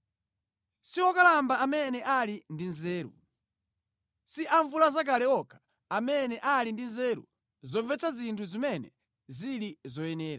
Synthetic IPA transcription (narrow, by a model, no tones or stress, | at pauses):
siɔkalambaamɛnɛʔalindinzɛːɾṵ | siʔaɱvulazak̬alɛɔkʰḁ | amɛnɛʔalindinzɛːɾṵ | zɔvɛt͡sʰazintʰuzimɛnɛ̰ | ziɾizɔjɛnɛːɾa